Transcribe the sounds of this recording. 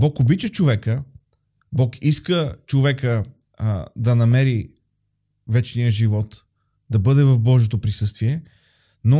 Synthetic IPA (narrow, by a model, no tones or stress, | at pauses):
bɔkobit͡ʃət͡ʃovɛkə | bɔkiskət͡ʃovɛkə | d̪ɐnɐmɛɾi | vɛt͡ʃnijəʒivɔt̪ | d̪ɐbɤd̪ɛvɐvbɔʒet̪opɾisɤst̪viɛ | no